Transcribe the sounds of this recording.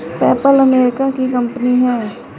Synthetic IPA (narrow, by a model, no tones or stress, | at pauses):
pɛːpələmeːɾɪkakikə̃mpəniɦɛː